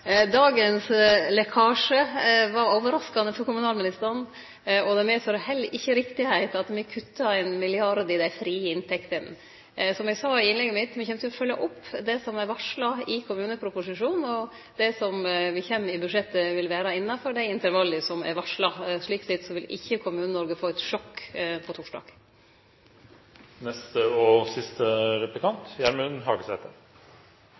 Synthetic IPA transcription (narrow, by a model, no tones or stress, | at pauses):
d̪ɑːɡənslɛkʰɑːʂəʋɑɾoːʋəɾɑskɑnəfɔɾkʊmʉnɑːlmɪnɪst̪əɾɑn | ɔd̪ɛmɛsɔɾhɛlːʔɪçːəɾɪkt̪ɪhæɪt̪ɑt̪mɛkʰʉt̪ːɑæɪnmɪlɪɑɾd̪ɪd̪æfɾiːəɪnt̪ʰɛkt̪ən | sɔmjɛɡsɑːɪɪnlɛɡːəmɪt̪ːmɛçɛmt̪əjɔfœlːəʔɔpːd̪ɛsɔmɛɾʋɑʂlɑɪkʰʊmʉːnəpʰɾʊpʊsɪʂuːnɔ | d̪ɛsɔmʋɪçɛnːɪbʉd̪ʂɛt̪ːəʋɪlʋæːɾɑɪnːɑfɔɾɖæɪɪnt̪əɾʋɑlːəsɔmæ̰ɾʋɑʂlɑʂɭiːksɛt̪sɔʋɪlɪ̰çːəkʰʊmʉːnənɔɾɡəfoːɛt̪ʂɔkːpʰɔt̪ʰuːʂɖɑ̰ːɡ̥ | nɛst̪əɔsɪst̪əɾɛplɪkʰɑnt̪jæɾmʉnɦɑːɡəsɛ̰ːt̪ʰəɾ